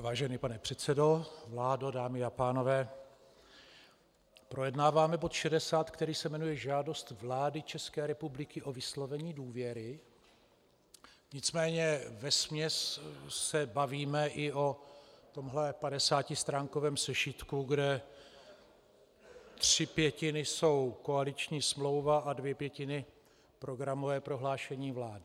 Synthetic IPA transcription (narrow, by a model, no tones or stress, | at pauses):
vaːʒɛniːpanɛpr̥ɛt̪sɛdo̞vlaːdodaːmɪapaːno̞vɛː | pɾojɛdnaːvaːmɛbo̞t̪ʃɛdɛsaːt̪kt̪ɛɾiːsɛmɛnujɛʒaːdo̞st̪vlaːdɪt͡ʃɛskɛːɾɛpublɪkɪʔovɪslo̞vɛɲiːduːvjɛɾɪ | ɲɪt͡smɛːɲɛvɛsmɲɛsː | ɛbaviːmɛʔɪʔo̞t̪o̞mɦlɛpadɛsaːcɪst̪ɾaːŋko̞vɛːmsɛʃɪt̪kuɡdɛ | t̪r̥ɪpjɛcɪnɪso̞wko̞alɪt͡ʃɲiːsmlo̞wvaʔadvjɛpjɛcɪnɪ | pɾo̞ɡɾamovɛːpɾo̞ɦlaːʃɛɲiːvlaːdɪ